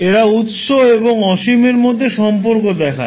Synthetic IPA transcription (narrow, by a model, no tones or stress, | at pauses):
eɾaut̪ʃoeboŋɔʃimeɾmod̪ʱːeʃɔmpoɾkod̪ɛkʰa̰